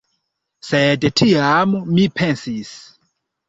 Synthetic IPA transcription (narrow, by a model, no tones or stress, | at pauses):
sedtʰiamːipʰensis